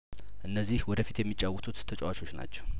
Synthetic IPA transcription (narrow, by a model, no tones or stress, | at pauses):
ʔɨnːəzːihwɔd̪əfit̪jɛmːit͡ʃʼːawɔt̪ʰʼut̪ːʰət͡ʃʼɛwat͡ʃʰo̞t͡ʃːna̰t͡ʃːɛ̥w